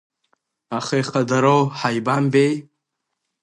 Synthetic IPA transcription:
aχeχadaɾowħajbambej

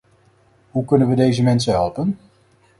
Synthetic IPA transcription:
ɦukɵnənʋədejzəmɛnsəɦɛlˠpən

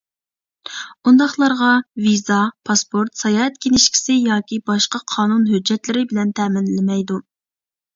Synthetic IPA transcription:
und̪ɑχlˠɑɾʁɑvizɑpʰɑspoɾt̪sɑjɑːɛt̪̚kʲenɪʃkʲʰi̥sɪjɑːkʲibɑʃqɑqʰɑːnunɦød͡ʒːɛt̪lɪɾɪbɪlɛnt̪ʰɛmɪnlɪmɛjd̪u

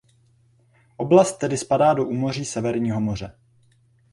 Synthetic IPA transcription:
ʔo̞blast̪ːɛdɪspadaːdo̞ʔuːmo̞r̝iːsɛvɛɾɲiːɦo̞mo̞r̝ɛ

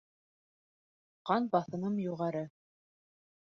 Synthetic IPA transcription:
qɑnbɑθɤ̆nɤmjuʁɑɾɤ

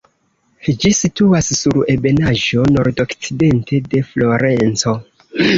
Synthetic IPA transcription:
d͡ʒisituassuɾe̞be̞naʒo̞no̞ɾdo̞kt͡side̞ntʰe̞de̞flo̞ɾe̞nt͡so̞

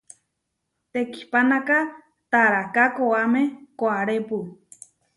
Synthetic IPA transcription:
t̪eki̥hpanaka | t̪aɾakakoamẽkoaɾepu

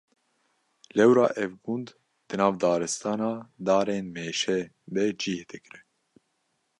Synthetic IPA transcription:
lɛwɾɑ̰ːʔɛvɡund̪ | d̪̥ɨnɑːvd̪ɑːɾɨst̪ɑːnɑːd̪ɑːɾeːnmeːʃɛ | bɛd͡ʒiːhet̪ʰɛkɨɾɨ

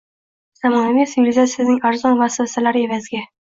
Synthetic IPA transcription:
samɒnavisjʊlɪzasɪznɪŋaɾzɒnvaswasalaɾe̞vazɡʲa

